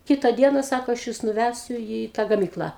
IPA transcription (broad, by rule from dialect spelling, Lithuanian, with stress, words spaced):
ˈkʲɪtɐ ˈdʲiɛnɐ ˈsɑːkoː ɐʃ ˈjʊs nʊˈʋʲæsʲʊ iː tɑː ɡɐˈmʲiːklˠɑː